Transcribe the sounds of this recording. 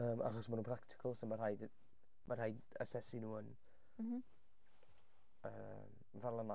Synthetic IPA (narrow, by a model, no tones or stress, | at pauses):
əːmʔa̰χɔsmanuːnpr̥aktʰɪ̥kʰəlˠsɔmarhajd | mʔarhajd | ə̰sɛsinuːən | ə̰ | m | varlˠənɔ